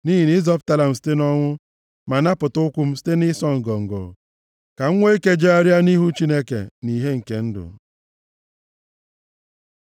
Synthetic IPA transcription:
ni˦ɦi˨nɪ˦zɔ˦p̚ta˦la˨m̩˨s̬i̥˦te˦nɔ˦ŋʷʊ˦ | ma˨na˦pʊ˨tʊ˦ʊ˦kʷʊ˦m̩˦si̥˦te˦nɪ˦sɔ˦ŋ̩˨ɡɔ˨ŋ̩˨ɡɔ̰˨ | ka˨ŋ̩˦ŋʷe˦i˦ke˦d͡ʒe˦a˦ɾja˦ni˦ɦu˦t͡ʃi˦ne˦kḛ˨ni˨ɦe˦ŋ̩˨ke˨n̩˦dʊ̰˨

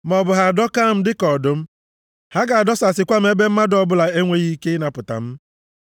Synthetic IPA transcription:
mɔ˨bʊ˨ɦa˨dɔ˦ka˦˨m̩˦dɪ˦kɔ˨dʊ˦m̩˦ | ha˦ɡa˨a˨dɔ˦sa˨sɪ˨kʷa˦m̩˦e˦be˦m̩˦ma˦dɔ˦bʊ˦la˨e˦ŋʷe˦ɣi˦ke˦na˨pʊ˨ta̰˨m̩˦

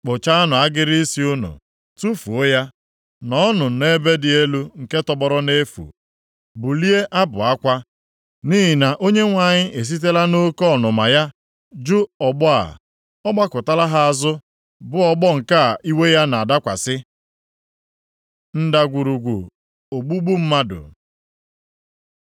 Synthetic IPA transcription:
k͡pʊ˨t͡ʃa˦a˦nʊ˨a˦ɡɪ˦ɾi˦i˦si˦ʊ˦nṵ˨ | tu˦fṵ˨o˦ja˦ | nɔ˨˦nʊ˨ne˦be˦dɪ˨e˦lu˦ŋ̩˨ke˦tɔ˦bɔ˦ɾɔ˦ne˦fṵ˨ | bʊ˨li˦e˦ʔa˦bʊ˨a˦kʷa˦ | niː˦ɦɪ˨na˨ʔo˦ɲe˦ŋʷa˨ɲɪ˦ʔe˨s̬i˦t̬e˦la˦no˦kɔ˦˨nʊ˨ma˨ja˦ | d͡ʒu˦ɔ˨ɡ͡bɔ˦a̰˨ | ɔ˦ɡ͡ba˦kʊ˨ta˦la˦ɦa˦a˨zʊ˦ | bʊ˦ɔ˦ɡ͡bɔ˦ŋ̩˨ka˦˨ʔi˦we˦ja˦na˨a˨da˦kʷa̰˨sɪ˦ | n̩˦da˨ɡʷu˨ɾu˨ɡʷṵ˨ | o˨ɡ͡bu˦ɡ͡bu˦m̩˦ma˦dʊ̰˨

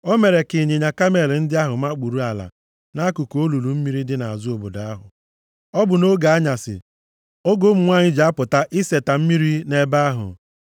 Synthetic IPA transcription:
o˦me˨ɾe˨kɪ˨ɲe˨ɲa˨ka˦me˨ln̩˦dɪ˦a˦ɦʊ˨ma˦k͡pu˨ɾu˦a˨la̰˨ | na˦ku˨ko˦lu˨lu˨m̩˦mi˦ɾi˦dɪ˦na˨a˨zʊ˦o˨bo̰˨da˨a˦ɦʊ̰˨ | ɔ˦bʊ˨no˦ɡa˨a˦ɲa˨sɪ̰˨ | o˦ɡo˦m̩˨ŋʷa˦˨ɲɪ˦d͡ʒa˨a˦pʊ˨ta˦ʔɪ˦se˨ta˨m̩˦mi˦ɾi˦ne˦ba˦ɦʊ̰˨

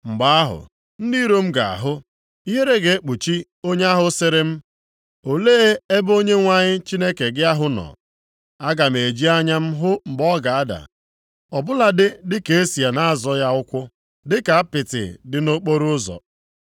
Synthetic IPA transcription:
ŋ͡m̩˨ɡ͡ba˦a˦ɦʊ̰˨ | n̩˦di˦ɾo˦m̩˦ɡa̰˨a̰˨ɦʊ˦ | i˦ɦe˦ɾe˦ɡe˨e˦k͡pu˨t͡ʃi˦ | o˦ɲe˦a˦ɦʊ˨˦se˨ɾe˦m̩˦ | o˨leː˦e˦bo˦ɲe˦ŋʷa˦ɲɪ˦t͡ʃi˦ne˦ke˨ɡɪ˦a˦ɦʊ˦nɔ̰˨ | a˦ɡa˨m̩˨e˨d͡ʒi˦a˦ɲa˦m̩˦ɦʊ˦ŋ͡m̩˨ɡ͡bɔ˦ɡa˨a˦da̰˨ | ɔ˨bʊ˦la˨dɪ˦dɪ˦ke˨e˦si˨a˨na˦a˦˨zɔ˦ja˦ʊ˦kʷʊ˦ | dɪ˦ka˨a˦pɪ˨tɪ̰˨dɪ˦no˦k͡po˦ɾʊ˦ʊ˦zɔ̰˨

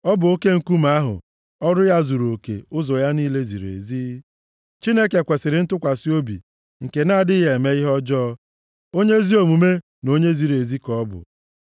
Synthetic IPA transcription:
ɔ˦bʊ˨o˦ke˦ŋ̩˨ku˦m˨a˦ɦʊ̰˨ | ɔ˦ɾʊ˦ja˦zu˨ɾo˨kḛ˨ʊ˦zɔ˨ja˦niː˦le˦zḭ˨ɾḛ˨zi˦ | t͡ʃi˦ne˦ke˨kʷe˨sɪ˨ɾɪ˦n̩˦tʊ˦kʷa˨si˦o˦bḭ˨ | ŋ̩˨ke˨na˦a˨dɪ˦ɦe˨me˦ɪ˦ɦɔ˦d͡ʒɔː˦ | o˦ɲe˦zi˦o˨mu˨me˦ | no˦ɲe˦zi˨ɾe˨zi˦kɔ˦bʊ̰˨

